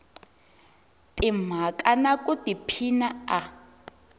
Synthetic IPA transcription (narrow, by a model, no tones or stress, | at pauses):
tʼim̤akʼanakʼutipʰinaa